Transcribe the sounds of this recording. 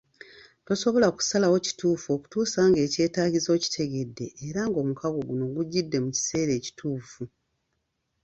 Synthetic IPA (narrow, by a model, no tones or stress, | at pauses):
to̞so̞βo̞laku̥salawo̞ci̥tuːfuo̞ku̥tuːsaːŋɡe̞ːce̞ːtaːɟizo̞ci̥tʰe̞ɡe̞dːe̞ːɾaŋɡo̞ːmukaɡo̞ɡuno̞ɡuɟːidːe̞muci̥se̞ːɾe̞ːci̥tʰuːfu